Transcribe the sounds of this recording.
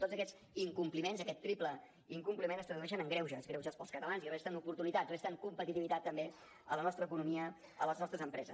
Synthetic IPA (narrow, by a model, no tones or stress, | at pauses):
t̪od͡zəkɛz | iŋkumplimenzəkɛt̪ːɾiplə | iŋkumplimenəst̪ɾəðuɛʃ̬ənəŋɡɾɛwʒəzɣɾɛwʒəspəlˠskət̪əlanzirist̪ənupuɾt̪unit̪at̪rest̪əŋkumpət̪it̪iβit̪at̪ːəmbe | ələnɔst̪ɾəkunumiə | ələznɔst̪ɾəzəmpɾɛzə̰s